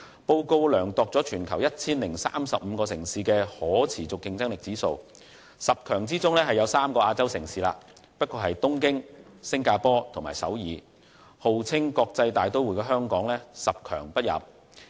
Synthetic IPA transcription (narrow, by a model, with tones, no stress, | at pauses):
po˧wko˧wlœː˨˩ŋt̪ɔː˨k̚t͡sɔ˨˥t͡ʃʰyː˨˩nkʰɐ˨˩wjɐ˥t̚t͡sʰiː˥nlɪ˨˩ŋsa̰ː˥msɐ˨p̚m̩ː˨˧kɔː˧sɪ˨˩ŋsiː˨˧kɛː˧hɔː˨˥t͡sʰiː˨˩t͡sʊ˨kːɪ˥ŋt͡sɐ˥ŋlɪ˨k̚t͡siː˨˥so̰˧w | sɐ˨p̚kʰœː˨˩ŋt͡siː˥t͡sʊ˥ŋlɛː˥ɦɐ˨jɐ˨˧wsaː˥mkɔː˧ʔaː˧t͡sɐ˥wsɪ˨˩ŋsiː˨la̰ː˧ | pɐ˥t̚kɔː˧ɦɐ˨jt̪ʊ˥ŋkɪ˥ŋsɪ˥ŋkaː˧pɔː˥t̪ʰʊ˨˩ŋmaː˨˩jsɐ̰˨˥wjiː˨˧ | ho˨wt͡sʰɪ˥ŋkɔː˧k̚t͡sɐ˧jt̪aː˨jt̪o˥wuː˨˩jkɛː˧ɦœː˥ŋkɔː˨˥ŋlɛː˥sɐ˨p̚kʰœ̰ː˨˩ŋpɐ˥t̚jɐ̰˨p̚